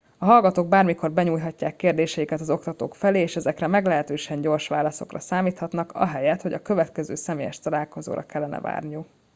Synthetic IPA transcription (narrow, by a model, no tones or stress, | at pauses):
ɒɦɒlɡɒt̪oːɡ̚baːrmiko̞rbɛɲuːjɦɒcːaːkːeːrd̪eːʃɛjikɛt̪ɒzo̞kt̪ɒt̪oːkfɛleːʃɛzɛkrɛmɛɡlɛɦɛt̪øːʃɛɲɟo̞rʃʋaːlɒso̞̰krɒ̰saːmiːt̪hɒt̪nɒkɒ̰ɦɛjɛt̪ho̞ɟɒkø̞vɛt̪kɛzøːsɛmeːjɛ̰ʃt̪ɒlaːlko̞zo̰ːɾɒ̰kɛlːɛnɛ̰va̰ːrniju